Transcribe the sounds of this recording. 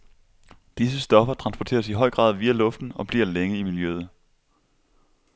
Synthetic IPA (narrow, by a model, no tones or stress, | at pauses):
d̥is̬əsd̥ɒ̽fɐt͡sʰʁɑ̈nsb̥ɒt͡sʰe̝̰ːɐsiɦɒ̽ɪ̰ɡ̥ʁɑ̰̈ːð̞ˠʋiːælɔ̽fd̥n̩ɒ̽b̥liɐleŋəimiljøð̩ˠ